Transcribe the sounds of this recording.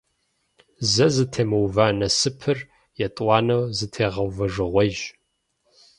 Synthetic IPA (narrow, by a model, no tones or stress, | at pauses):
zɐzɨtʰeːmɐwvaːnɐsɨpʰɨr | jɛtʼwʷɑːnɐwzɨtʰeːʁɐwvɐʐɨʁʷɔʒ